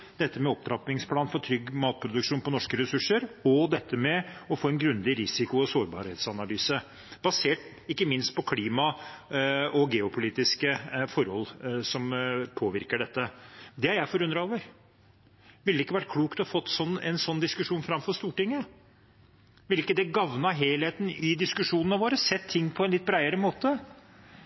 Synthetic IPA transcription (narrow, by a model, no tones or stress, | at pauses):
d̪̥ɛt̪ːəmɛɔp̚d̪ɾɑpɪŋspʰlɑːnfɔʈ̪ʰɾʏɡmɑːt̪̚pʰɾʊd̪ʉkʂuːnpɔnɔʂkəɾɛsʉʂəɾɔd̪ɛt̪ːəmɛɔfoːɛnɡɾʉnd̪ɪɾɪsɪkʊɔsoːɾbɑ̰ːɾheːt̪sɑnɑlyːsə | b̥ɑseːʈ̚ | ɪkːəmɪnst̪̚pʰɔkʰliːmɑ | ɔɡɛːʊpʰʊliːt̪ɪskəfɔɾhɔlːsɔmpʰoːʋɪɾkəɖɛt̪ːəd̪ɛhɑɾjæɪfɔɾʉnd̪ɾɑoːʋəɾ | ʋɪld̪ɛɪkːəʋæʈ̚kʰluːkt̪ɔhɑfɔt̪ːsɔnːɛnsɔnːd̪ɪskʉʂuːnfɾɑmfɔɾʂt̪uːʈɪŋːə | ʋɪlɪkːəd̪ɛɡɑʋnɑɦeːleːt̪n̩ɪd̪ɪskʉʂuːnənəʋoːɾəsɛt̪ʰːɪŋːpʰɔɛnlɪt̪̚ːbɾæɪəɾəmoːt̪ə